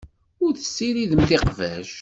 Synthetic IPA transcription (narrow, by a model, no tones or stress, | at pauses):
ʊɾθə̥sːiɾiðəmθɪqvæʒ